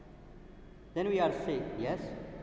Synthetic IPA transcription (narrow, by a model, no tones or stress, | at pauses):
d̪ɛ̃nwiaɾsejɛs